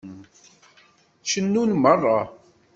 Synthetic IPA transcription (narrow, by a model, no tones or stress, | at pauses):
t͡ʃənːunmərˤːɑ